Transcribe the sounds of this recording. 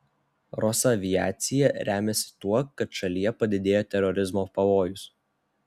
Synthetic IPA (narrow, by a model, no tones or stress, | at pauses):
ɾɔsɐʋʲɪjæːt̪sʲɪjɛɾʲæːmʲɛsʲɪ̥t̪uɔkːɐt̪ʃɐlʲijɛpɐd̪ʲɪd̪ʲeːjoːt̪ʲɛɾɔɾʲɪzmoːpɐʋoːjʊs